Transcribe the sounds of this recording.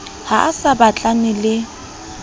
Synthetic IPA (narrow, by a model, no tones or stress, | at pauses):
haʔasabat͡ɬʼanɪlɪ